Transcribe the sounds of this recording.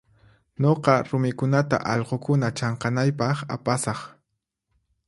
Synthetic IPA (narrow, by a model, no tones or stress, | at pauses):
ɲoqɑɾʊmɪkʊnat̪a̰ʔɑʎqokʊnat͡ʃɑɴqɑnajpɑχa̰pasɑχ